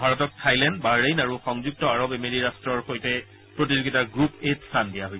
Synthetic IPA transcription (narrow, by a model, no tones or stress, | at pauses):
bʱaɹɔtɔk̚tʰajlɛndbaɹejnaɹuxɔŋzuk̚tɔaɹobemeɹiɹastɹɔɹxojtɛ | pɹot̬izuɡitaɡɹupetsandijaɦoj